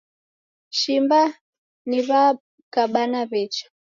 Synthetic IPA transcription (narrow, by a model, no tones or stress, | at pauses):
ʃimba | niβa | kaɓanaβɛt͡ʃɔ̥